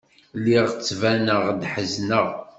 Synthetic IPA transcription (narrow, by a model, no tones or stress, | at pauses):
lːiʁt͡sːvænəʁd̪ħəznəʁ